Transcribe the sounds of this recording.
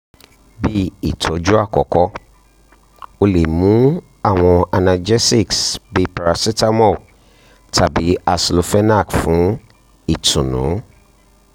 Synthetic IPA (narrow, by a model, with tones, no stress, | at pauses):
bi˦i˨tʰɔ˨˦d͡ʒu˦a˦˨kɔ˨kɔ˦ | o˦le˨mũ˨˦ | a˦˨w̃ɔ̃˨a˨na˨d͡ʒɛ˦si˦˨ksbe˨pa˨ɾa˨si˦ta˦mɔ˦˨ | tʰa˨bi˨˦a˨slo˨fɛ˦na˦˨kfʊ̃˨˦ | i˨tʰʊ̃˨nʊ̰̃˨˦